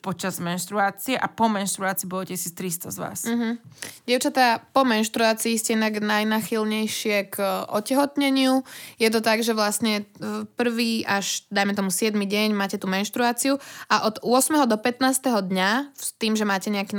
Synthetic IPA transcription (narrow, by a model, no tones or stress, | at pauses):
pɔt͡ʃazmɛnʃt̪ɾuaːt͡siɛʔapɔmɛnʃt̪ɾuaːt͡siːbɔɔcɛsist̪ɾist̪ɔzʋa̰ːs̩ɦ̩ɟɛʊt͡ʃat̪apɔmɛnʃt̪ɾuaːt͡siːscɛɛnaɡnajnaxilɲɛjʃɪɛkʔɔ̰cɛɦɔt̪ɲɛɲɪujɛt̪̬ɔt̪aɡʒɛʋlasɲɛpr̩ʋiːʔaʒd̪ajmɛt̪ɔmusɪɛd̪miɟɛɲmaːcɛt̪umɛnʃt̪ɾuaːt͡siuaʔɔd̪ʊɔsmɛɦɔd̪ɔpɛt̪naːst̪ɛɦɔd̪ɲaft̪iːmʒɛmaːcɛɲɛaki